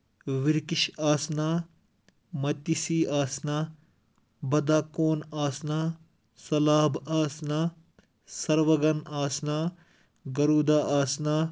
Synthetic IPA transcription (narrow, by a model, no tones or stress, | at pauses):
ʋiɾkiʃaːsnaː | mɐt̪isiːʔaːsnaː | bɐd̪aːkoːnaːsnaː | sɐlaːbaːsnaː | sɐɾʋɐɡɐnaːsnaː | ɡɐɾuːd̪aːʔaːsnaː